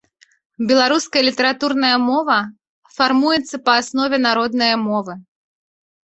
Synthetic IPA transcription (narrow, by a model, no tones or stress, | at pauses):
bʲɛlˠaɾuskɐjɐlʲit̪ɐɾat̪urnɐjɐmɔvɐ | farmujɛt̪sːɐpɐːsnɔvʲɛnaɾɔd̪nɐjɐmɔvɨ